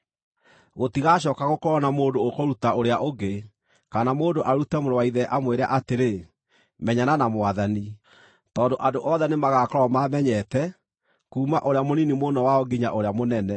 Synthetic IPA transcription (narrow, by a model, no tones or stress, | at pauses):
ɣotiɣaɕ̬ɔːkaɣokoɾɔnamoːndoːkoɾutaoɾeaʔoɡe | kanamoːndoʔaɾutɛmoɾowaiðɛʔamweɾa̰ʔateɾe | mɛɲananamoaðani | tɔːndoʔadoʔɔðɛnemaɣaːkɔɾɔmamɛɲɛtɛ | kuːmaʔoɾeamoninimonɔwaɔɡiɲa̰ʔoɾeamonɛnɛ